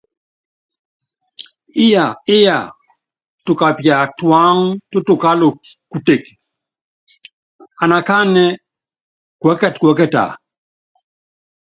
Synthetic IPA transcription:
ɪ˦ja˨ɪ˦ja˨ | tu˨ka˨pja˨twa˦ŋto˦tu˨ka˦lo˨ | ku˨te˨k | a˨na˨ka˦nɛ˦ | kwɛ˨˦kɛ˦˨tkwɛ˨˦kɛ˦˨ta̰˨

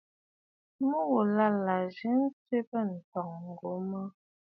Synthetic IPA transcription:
mə˦wo˨la˦la˨ʒə˨˦n̩˦t͡se˦pə˦˨n̩˨tɔ˨ŋ̩˨ɡo˨˦mə˦

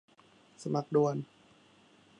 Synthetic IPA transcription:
sa˧ma˨˩k̚du˨˧ən

